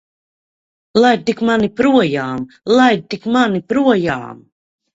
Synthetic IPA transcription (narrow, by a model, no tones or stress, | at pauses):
lˠajt̪ikmanipɾuɔjaːm | lˠaj̪̚t̪ikmanipɾuɔja̰ːm